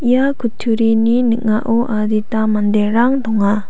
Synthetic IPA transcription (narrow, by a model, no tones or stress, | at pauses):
jakutʰuɾininiʔ̚ŋaʔoʔad̪it̪amand̪eraŋd̪ɔŋa